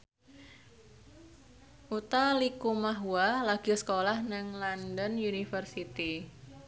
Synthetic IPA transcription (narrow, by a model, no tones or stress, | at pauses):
ʔut̪alikumaɦualaɡ̥isə̥kolahnaŋlandənjunifərsit̪i